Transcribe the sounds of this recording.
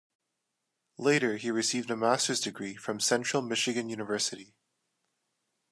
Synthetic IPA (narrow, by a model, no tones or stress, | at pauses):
leɪɾə˞iɹɨsivdɨmæstə˞zdɨɡɹifɹʌ̃msɛ̃nt͡ʃɹ̥l̩ˠmɪʃɨɡɨ̃njʉnəvɜ˞sɨɾi